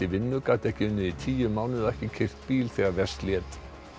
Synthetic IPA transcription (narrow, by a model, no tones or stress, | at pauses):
ɪvɪnːʏkaːt̪ɛhcɪʏnːɪðit̪ʰiːjʏmːaːwnɪðaɛhcɪcʰɪr̥t̪piːlθɛːɣaɾvɛst̪ljɛːt̪